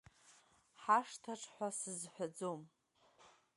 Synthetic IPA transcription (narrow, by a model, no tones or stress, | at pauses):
ħaʂtʰaʈ͡ʂʰħʷasɨzħʷᶣad͡zom